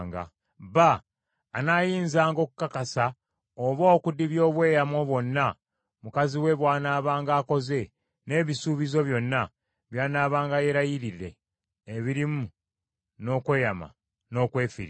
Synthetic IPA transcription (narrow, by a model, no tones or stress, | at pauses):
ŋɡa̰ | βaː | naːjiːnzaːŋɡo̞ːku̥kːakasa | oβo̞ːkudiβjo̞ːβwe̞ːjamo̞βwo̞nːa | mukaziwe̞βwaːnaːβaːŋɡaːko̞ze̞ | ne̞ːβisuːβizo̞βjo̞nːa | βjaːnaːβaːŋɡaje̞ɾajiɾiɾe̞̰ː | βiɾimu | no̞ːkwe̞ːjama̰ | no̞ːkwe̞ːfḭɾ